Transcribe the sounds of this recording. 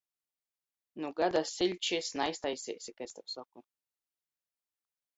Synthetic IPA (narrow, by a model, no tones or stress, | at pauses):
nuɡad̪asilʲt͡ʃisnajst̪ajsʲḭːsʲikɛst̪awsɔku